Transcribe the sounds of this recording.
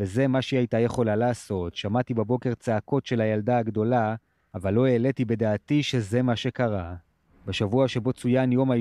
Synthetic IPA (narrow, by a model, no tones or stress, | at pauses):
eze̞maʃeiajtaje̞χo̞lalaːso̞tʃamatibabo̞ke̞ʁt͡seako̞tʃe̞lajaldaaɡdo̞laː | valːo̞eːletibe̞d̪aːtiʃe̞ze̞maʃe̞kaʁa | beʃavuaʃe̞bo̞t͡sujanjo̞ma